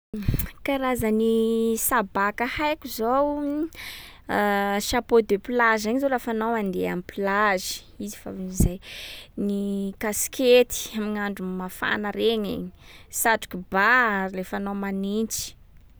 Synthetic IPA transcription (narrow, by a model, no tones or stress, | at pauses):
kaɾazənisabakahajkuzow | ʃapod̪epilaʒaɲizolafanawand̪eamipilazi̥ | izi̥fa̰izajnikasket̪i̥amiɲaɳɖ͡ʐumafa̰nəɾeɲḛɲisaʈ͡ʂu̥kubaaɾilefanomanint͡si̥